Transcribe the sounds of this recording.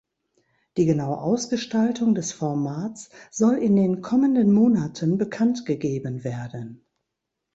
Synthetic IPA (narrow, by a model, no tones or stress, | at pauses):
d̥iːɡənaʊə̰ʔaʊsɡ̥əʃtaltʰʊŋdɛsfɔɐmaːt͡sz̥ɔlɪndeːnkʰɔməndənmoːnatʰənbəkʰantɡ̥əɡeːbənveːɐdən